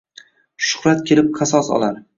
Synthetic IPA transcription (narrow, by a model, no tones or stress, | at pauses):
ʃʊ̥χɾat̪̚kʲʰe̞lɪp̚qʰɑsɒsɒ̰lˠaɾ